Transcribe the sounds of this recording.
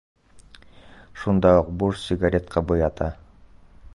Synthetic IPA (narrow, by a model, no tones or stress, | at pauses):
ʃund̪ɑuq̚bursʲɪɡaɾʲet̪qʰɑbɯjɑt̪ɑ